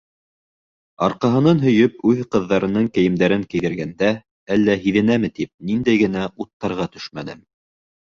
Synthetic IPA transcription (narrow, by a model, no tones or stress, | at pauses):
ɑ̰ɾqɑɦɤ̆nɑnɦɵ̆jɵpʉðqɤ̆ðːɑɾɤ̆nɤɴkɘ̆jɘ̆md̪æɾɘŋkɘ̆jðɘ̆ɾɡænd̪æ | ælːæɦiðɘ̆næmɘt̪ip̚nind̪æjɡɘ̆n̪æut̪ːɑɾʁɑt̪ɵ̥ʃmæd̪ɘm